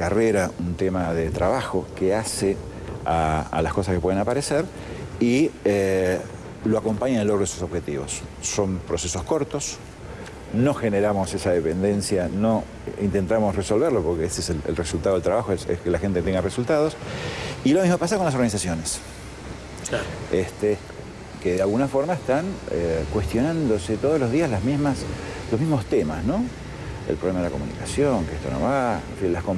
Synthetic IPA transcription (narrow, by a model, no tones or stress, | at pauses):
kareɾaunt̪emaðet̪ɾaβaxo̞kease | aa̰laskosaskepweðenapaɾeseɾ | ie | loako̞mpaɲaẽloɣɾoesuso̞βxe̞t̪iβo̰sːo̞mpɾo̞se̞so̞sko̞ɾt̪o̞s | no̞xene̞ɾamo̞sesaðe̞pe̞nd̪e̞nsjano̞ | ḭnt̪e̞nt̪amosreso̞lβeɾlo̞poɾkeeseselḛlresult̪að̞lt̪ɾaβaxoesḛskelaxe̞nt̪et̪eŋɡaresult̪að̞o̞s | ilomizmopas̬akonlas̬o̞ɾɣanis̬asjo̞nes | est̪e | keðealɣunafo̞ɾmaest̪aŋḛkwe̞st̪jo̞nand̪o̞set̪oð̞ozlo̞zðiaslazmizmaslozmizmo̞st̪ema̰sno̞ | ḛlpɾolemaðelakomṵnḭkasjo̞ŋkeest̪o̞̰no̞̰βaḛɱfinlaskom